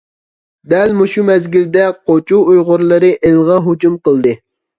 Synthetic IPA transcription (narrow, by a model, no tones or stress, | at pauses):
d̪ɛlmuʃumɛzɡʲild̪ɛqʰot͡ʃʰuujʁʊɾlˠɨɾɨʔelʁɑɦud͡ʒumqəlˠd̪ɨ